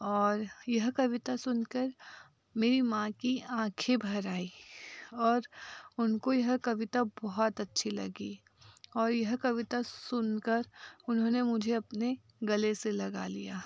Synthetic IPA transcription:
ɔːɾjɐɦkɐʋɪt̪asʊnkəɾ | meːɾimãkiãːkʰebʱɐɾaːi | ɔːɾʊnkojɐɦkɐʋɪt̪abɔɦɔt̪ɐtːʃʰilɐ̰ɡi | ɔːɾjɐɦkɐʋɪt̪asʊnkəɾʊnɦõːnemʊd͡ʒʱeɐpne | ɡɐleselɐɡa̰lḭja̰ː

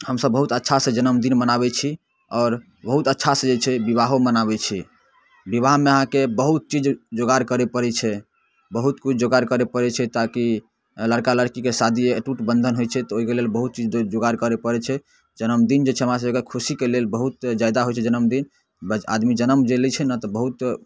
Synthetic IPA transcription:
həmsəbːəɦut̪ətːʃʰasẽd͡ʒənəmd̪inmənaβɛt͡ʃʰi | ɔːɾ | bəɦut̪ətːʃʰasẽd͡ʒet͡ʃʰɛbiβaɦomənaβɛt͡ʃʰi | bibaɦmeəɦãkebəɦut̪̚t͡ʃid͡ʒd͡ʒoɡaɾkəɾepəɾɛt͡ʃʰɛ | bəɦut̪kut͡ʃʰd͡ʒoɡaɾkəɾepəɾɛt͡ʃʰɛt̪aki | ləɽkaləɽkikesad̪ʱieʈuʈbə̃nd̪ʱənɦojt͡ʃʰɛt̪ɔoɦikelelbəɦut̪̚t͡ʃid͡ʒd͡ʒoɡaɾkəɾepəɾɛt͡ʃʰɛ | d͡ʒənəmd̪ind͡ʒet͡ʃʰɛɦəmɾas̬əbəɡɛkʰusikelelbəɦut̪d͡ʒajd̪aɦojt͡ʃʰɛd͡ʒənəmd̪in | ba̰d̪mid͡ʒənəmd͡ʒelɛt͡ʃʰɛnat̪ɔbəɦut̪

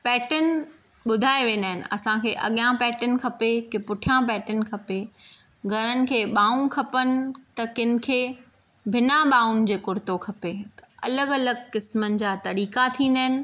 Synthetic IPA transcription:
pɛːʈənɪ̆ | ɓʊd̪ʱaːeʋẽːnd̪aːɦɪnɪ̰̆ɐ̰sãkʰeːʔɐ̰ɠijãpɛːʈən̆kʰɐpekɪpʊʈʰijãpɛːʈənkʰɐpe | ɡʱɐɾənɪ̆kʰeːɓaːũkʰɐpənɪ̆t̪ɐkɪnɪ̆kʰeː | bʱɪnaɓaːʊnɪ̆d͡ʑeːkʊɾt̪okʰɐpet̪ɐ̥ɐ̰ləɡɐləɡkɪsmənɪ̆d͡ʑaːt̪ɐɾiːkat̪ʰĩːn̆d̪aːɦɪnɪ̆

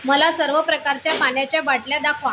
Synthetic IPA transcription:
məlasəɾʋəpɾəkaɾt͡ɕjamanjat͡ɕjabaʈljad̪akʰa

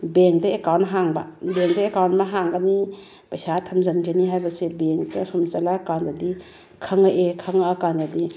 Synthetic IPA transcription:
beŋk̚dɐekawntɦaŋbabeŋdɐekawntmaɦaŋɡani | pajsatʰɐmzand͡ʒaniɦajbɐsebeŋdɐsumt͡ʃalakawndadi | kʰɐŋaʔekʰɐŋakandadi

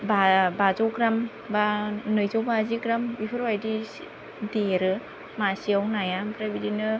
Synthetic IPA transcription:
babazɔwkɾam | banɯjzowbazikɾamipʰɯɾwajdi | deɾɯ | masiawnajampɾabidinɯ

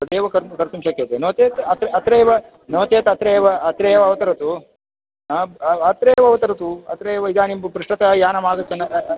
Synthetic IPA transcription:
ɐd̪eːʋɐkɐɾkɐɾt̪umʃɐket̪enɐʋt̪eːt̪ɐt̪ɾeɐt̪ɾeːʋɐ | nɐʋt̪eːt̪ɐt̪ɾeːʋɐɐt̪ɾeːʋɐɐʋɐt̪ɐɾɐt̪u | aːɐt̪ɾeːʋɐɐʋɐt̪ɐɾɐt̪uɐ̰t̪ɾeʋɐid̪aːnimpɾiʂʈɐt̪ɐjaːnɐmaːɡ̪ɐt͡ʃɐnːɐ

